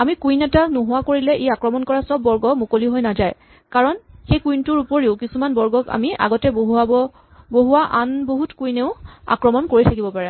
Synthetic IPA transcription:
amikujnɛtanuɦʊwakoɹilɛʔejakɹɔmɔnkɔɹasɔb̚ːɔɹɡɔmukoliɦojnazaj | kaɹɔnxejkujntʊɹupoɹiʊkisumanbɔɹɡɔka̰miʔa̰ɡɔtɛbɦaɔ | boɦuwaʔanboɦutkujneʊa̰kɹɔmɔnkoɹitʰakibɔpaɹɛ

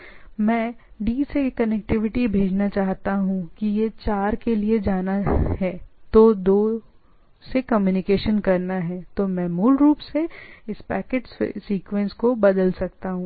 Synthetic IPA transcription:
mɛ̃ː | ɖiːsekɐnɛk̚ʈɪʋɪʈibʱeːd͡ʒnat͡ʃaːɦt̪aɦũkijet͡ʃaːɾkelied͡ʒaːnaɦɛːt̪oːd̪oː | sekɐmjuːnɪkeːʃənkɐɾnaɦɛːt̪omɛ̃ːmuːlɾuːpseɪspɛːkeʈsḛsiːkʋɛ̃nskobɐd̪əlsɐk̚t̪aɦũː

